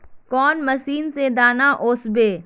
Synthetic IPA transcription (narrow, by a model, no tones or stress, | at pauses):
kɔːnmɐsiːnsed̪aːnaʔoːsbeː